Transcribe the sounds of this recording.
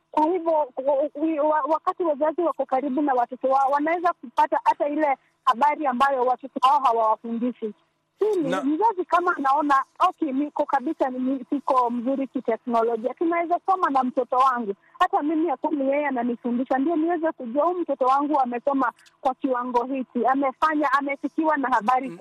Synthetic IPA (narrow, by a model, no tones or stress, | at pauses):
kwahivjɔ | wawakatiwazaziwakɔkaɾiɓunawatɔtɔwaɔwanawɛzakupatahatailɛ | haɓaɾiambajɔwatɔtɔwaɔɦawawafundiʃi | silim̩zazikamaːnaɔnaɔkinikɔkaɓisaisikɔm̩zuɾikitɛknɔlɔʄiakinawɛzausɔmanam̩tɔtɔwaŋɡu | hatamimiakumijɛjɛananifundiʃandijɔniwɛzɛkuʄuwahum̩tɔtɔwaŋɡuamɛsɔma | kwakiwaŋɡɔɦikiamɛfaɲaːmɛsikiwanahaɓaɾi